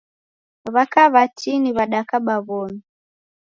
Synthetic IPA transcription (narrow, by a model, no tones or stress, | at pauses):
βakaβatʰiniβaɗakaɓaβɔmi